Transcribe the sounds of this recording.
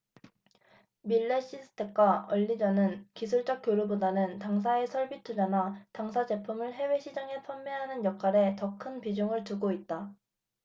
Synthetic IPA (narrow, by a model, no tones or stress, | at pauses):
miɭːe̞ɕ͈ʰisʰɯ̥tʰe̞k̚k͈waʌʎːid͡ʑʌnɯnkisʰuɭt͡ɕ͈ʌk̚k͈joɾubodanɯntaŋs̬ʰae̞sʰʌɭbitʰud͡ʑanataŋsʰad͡ʑe̞pʰumɯɭɦe̞we̞ɕʰid͡ʑaŋe̞pʰʌmːeɦanɯnjʌkʰaɾe̞tʌkʰɯnpid͡ʑuŋɯɭtuɡoit̚t͈a